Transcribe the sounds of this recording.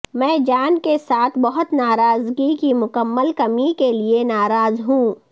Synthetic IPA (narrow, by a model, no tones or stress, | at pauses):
mɛ̃ːd͡ʒaːnkesaːt̪ʰbɐɦʊt̪naːɾaːzɡikimʊkəmːəlkɐmikelienaːɾaːzɦũː